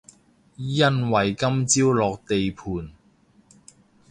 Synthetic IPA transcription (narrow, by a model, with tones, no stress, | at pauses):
jɐ˥nwɐ˨jkɐ˥mt͡siː˥wlɔː˨˧k̚t̪e˨jpʰuː˨˧n